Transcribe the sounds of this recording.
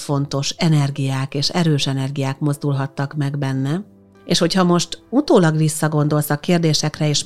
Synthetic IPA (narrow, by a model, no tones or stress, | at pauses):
fo̞nt̪o̞ʃɛnɛrɡijaːkeːʃɛɾøːʃɛnɛrɡijaːkmo̞zd̪ulɦɒt̪ːɒkmɛɡbɛnːɛ | eːʃho̞chɒmo̞ʃt̪ut̪oːlɒɡʋisːɒɡo̞nd̪o̞lsɒkːeːrd̪eːʃɛkrɛeːʃ